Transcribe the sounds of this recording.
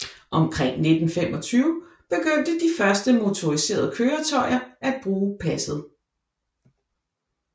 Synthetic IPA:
ʔɒ̽mkʰʁeŋ̰ne̝d̥n̩fem̰ɒ̽t͡sʰyːʊ | b̥e̝ɡ̥øn̰d̥əd̥ifɶɐsd̥əmo̝t͡sʰo̝ʁise̝̰ːɐð̞ˠkʰøːɐt͡sʰɒ̽ɪ̰ɐæ̥b̥ʁuːpʰæsð̞̩ˠ

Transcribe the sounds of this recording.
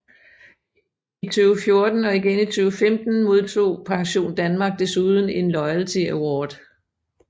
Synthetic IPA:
it͡sʰyːʊfjo̝ɐd̥n̩ɒ̽iɡ̥enit͡sʰyːʊfemd̥n̩mo̝ð̞ˠt͡sʰo̝̰ːpʰɑ̈ŋɕo̝̰ːnd̥ænmɑ̈ːɡ̥̚d̥e̝suð̞ˠn̩e̝nlɒ̽ɪælt͡sʰiæwɒːd̥

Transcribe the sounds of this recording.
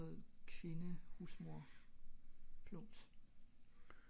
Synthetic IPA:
ð̩ˠkʰʋe̝nəhusmo̝ɐ̰ | fʰlɔs

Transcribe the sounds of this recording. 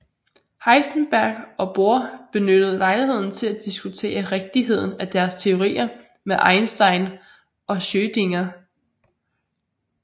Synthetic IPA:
hɑ̈ɪsn̩b̥æɐɡ̥ɒ̽b̥o̝ɐ̰b̥e̝nød̥əð̩ˠlɑ̈ɪliɦe̝ð̰ˠn̩t͡sʰe̝læd̥isɡ̥ut͡sʰe̝̰ːɐʁeɡ̥̚d̥iɦe̝ð̞̰ˠn̩æd̥æɐst͡sʰe̝o̝ʁḭːɐ | meʔɑ̈ɪnsd̥ɑ̈ɪn | ʔɒ̽ɕøːd̥e̝ŋɐ

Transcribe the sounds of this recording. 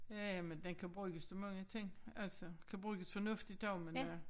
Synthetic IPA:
jææmend̥enkʰæb̥ʁyːɡ̥əsd̥omɑ̈ŋlət͡sʰe̝ŋ̰ælsəkʰæb̥ʁyːɡ̥əsfɒ̽nɔ̽fd̥i̥ɒʊmen

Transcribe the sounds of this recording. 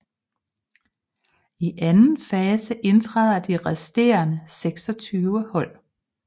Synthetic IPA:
iʔænn̩fɛːsəʔe̝nt͡sʰʁað̰ˠɐd̥iʁɛsd̥e̝̰ːɐnəseɡ̥sɒt͡sʰyːʊəhɒ̽l̰

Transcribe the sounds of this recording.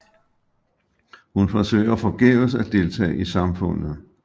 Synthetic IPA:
hunfɒsø̰ːɪ̰ɐfɒ̽ɡ̥esæd̥e̝lt͡sʰɛ̰ːʔisɑ̈mfɔ̽n̰ð̩ˠ

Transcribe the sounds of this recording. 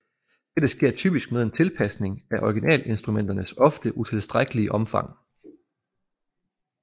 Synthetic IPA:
d̥ed̥əsɡ̥e̝ɐ̰t͡sʰy̰ːb̥isɡ̥með̞ˠe̝nt͡sʰe̝lpʰæsne̝ŋæʔɒɡ̥inʔɛ̰ːle̝nsd̥ʁumen̰d̥ɐnəsɒ̽fd̥əʔut͡sʰe̝lsd̥ʁaɡ̥əliəʔɒ̽mfɑ̈ŋ̰

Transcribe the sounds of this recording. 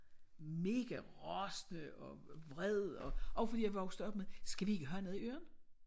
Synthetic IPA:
me̝ːɡ̥æʁɒsnəɒ̽ʋʁɛð̰ˠɒ̽ʔɒʊfɒdḭːjɑ̈ɪʋɒ̽ɡ̥sd̥̩ɒ̽b̥̚meðˠsɡ̥æʋie̝ɡ̥əɦøɐnoðˠiø̰ːɐn

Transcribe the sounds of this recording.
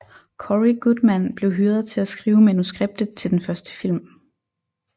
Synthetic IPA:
kʰɒʁiɡ̥ud̥mænb̥le̝ʊɦyːɐðˠt͡sʰe̝læsɡ̥ʁiːʊmænusɡ̥ʁeb̥̚d̥ð̩ˠt͡sʰe̝ld̥enfɶɐsd̥ə̥fil̰m

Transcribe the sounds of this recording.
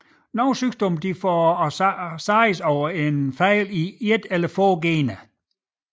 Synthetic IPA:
nɔʊsysd̥ɔmd̥ifɒ | sɑɪəsɒʊɐe̝nfæɪlied̥elɐfɔːɡ̥eːnə

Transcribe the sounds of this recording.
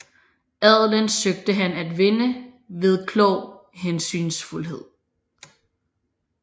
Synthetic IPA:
æðˠlənsøɡ̥̚d̥əɦænæd̥ʋe̝nə | ʋe̝ð̞ˠkʰlɔʊ̰ɦensy̰ːnsfulɦe̝ð̞̰ˠ

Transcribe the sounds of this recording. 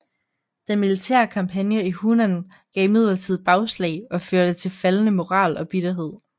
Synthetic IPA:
d̥enmilit͡sʰæ̰ɐkʰɑ̈mpʰænjəihunæn | ɡ̥ɛ̰ːɪmið̞̰ˠlˠɐt͡sʰið̞̰ˠb̥ɑ̈ʊslɛ̰ɪɒ̽føɐd̥ət͡sʰe̝lfælənəmo̝ʁɑ̰̈ːlʔɒ̽b̥id̥ɐɦe̝ð̰ˠ

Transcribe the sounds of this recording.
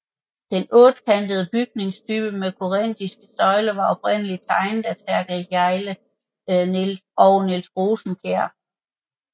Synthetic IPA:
d̥enɔ̽ːd̥kʰænd̥əðˠəb̥yɡ̥ne̝ŋst͡sʰyːb̥əmekʰo̝ʁen̰d̥isɡ̥əsɒ̽ɪlɐʋɑ̈ɒ̽b̥̚ʁen̰əli̥t͡sʰɑ̈ɪnð̩ˠæsʰæɐɡ̥ʁɛ̥jɑ̈ɪlə | nelɒʊnelsʁoːsm̩kʰeɐ̰

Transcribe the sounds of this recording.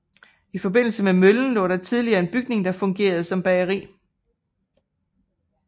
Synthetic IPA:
ifɒ̽be̝n̰l̩səmemøln̩lɔ̰ːɾ̥ɑ̈t͡sʰið̞ˠliɐːe̝nb̥yɡ̥ne̝ŋd̥ɑ̈fɔ̽ŋɡ̥e̝̰ːɐð̞̩ˠsɒ̽mb̥ɛɐʁḭː

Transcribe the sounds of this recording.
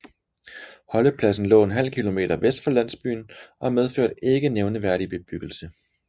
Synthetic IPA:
hɒ̽ləpʰlæsn̩lɔ̰ːenɦæl̰kʰilo̝me̝̰ːd̥ɐʋesd̥fɒ̽læn̰sb̥y̰ːn̩ʔɒ̽með̞ˠføɐ̰d̥e̝ɡ̥əneʊnəʋæɐɾib̥e̝b̥yɡ̥l̩sə

